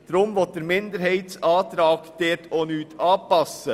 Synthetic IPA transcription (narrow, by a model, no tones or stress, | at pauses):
d̥̪ɾʊmʋɔt̚d̪eːɾmɪnd̪əɾhɛɪt̪sɑːd̪ɾɑːɡd̪̥eːtʰoːnyːt̪ʰɑːpʰɑsə